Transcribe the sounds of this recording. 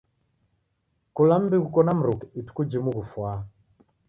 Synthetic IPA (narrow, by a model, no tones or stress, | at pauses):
kulam̩bikukɔnam̩ɾukɛitu̥kud͡ʒimuɣufwa